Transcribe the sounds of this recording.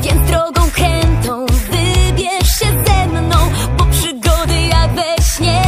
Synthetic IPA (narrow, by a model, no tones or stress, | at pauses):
vʲjɛnd̪ɾɔɡɔ̃w̃kɾɛnt̪ɔ̃w̃vɨbʲjɛʂɕɛzɛmnɔ̃w̃bɔpʂɨɡɔd̪ɨjaɡvɛɕɲɛ